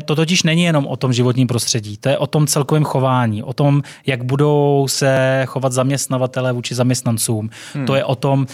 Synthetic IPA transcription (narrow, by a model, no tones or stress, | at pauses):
t̪o̞t̪ocɪʃnɛɲɪjɛno̞mʔo̞t̪o̞mʒɪvo̞t̪ɲiːmpɾo̞st̪r̥ɛɟiːt̪o̞jɛʔo̞t̪o̞mt͡sɛlkovɛːmxo̞vaːɲiːʔo̞t̪o̞m | jaɡbudo̞wsɛxo̞vat̪zamɲɛst̪navat̪ɛlɛːvuːt͡ʃɪzamɲɛst̪nant͡suːm | t̪o̞jɛʔot̪o̞m